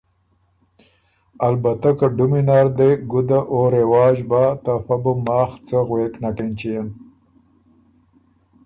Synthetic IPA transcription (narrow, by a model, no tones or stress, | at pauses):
albat̪akaɖʊminaːɾd̪eɡʊd̪aʔoɾewɑːʒbat̪afabumɑːxt͡səɣweːknakent͡ʃijan